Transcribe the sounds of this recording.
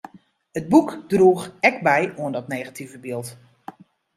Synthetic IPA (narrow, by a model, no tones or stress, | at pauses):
əd̚bukdruːxɛkbɛjuəndɔtneːɣatʰivəbɪːlˠt